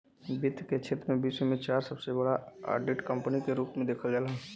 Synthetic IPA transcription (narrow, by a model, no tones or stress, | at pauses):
bɪt̪ket͡ʃʰɪt̪mẽbisemẽt͡ʃaːɾsəbsebəɽaa̰ːɾɖɪʈkə̃mpənikeɾuːpmẽd̪eːkʰəld͡ʒaːlaɦɛ